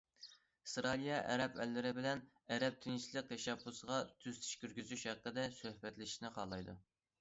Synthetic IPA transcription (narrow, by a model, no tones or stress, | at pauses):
sɾɑlˠijɛʔɛ̰ɾɛpʰɛlːɪɾɪbɪlɛn | ɛɾɛp̚t̪ʰint͡ʃʰlˠəq̚t̪ʰɛʃɛbːusʁɑt̪ʰyz̥t̪ʰi̥ʃkʲyɾɡʲyzyʃhæqːəd̪ɛsøhbɛt̪lɪʃnɪqʰɑlˠɑjd̪u